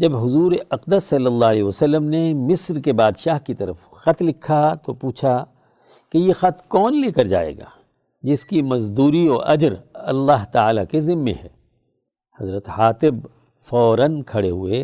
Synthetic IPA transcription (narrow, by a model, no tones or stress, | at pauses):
d͡ʒɐbɦʊzuːɾeʔɐqd̪əsːɐlːəlːalɛːɦʋəsɐlːəmnemɪsɾkebaːd̪ʃaːɦkit̪ɐɾəf | xɐt̪lɪkʰːat̪opuːt͡ʃʰa | kejexɐt̪ʰkɔːnleːkɐɾd͡ʒa̰ːḛːɡa̰ː | d͡ʒɪskimɐzd̪uːɾiɔːɾʔɐ̰d͡ʒɾɐlːaːɦt̪aaːlakezɪmːḛ̃ɦɛ̰ː | hɐzɾət̪haːt̪ɪb | fɔːɾənkʰɐɽeɦʊe